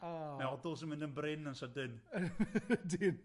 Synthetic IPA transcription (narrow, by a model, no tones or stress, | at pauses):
amɛɔdʊlˠsənmɪ̃ndənbrɪnənsədɪn | din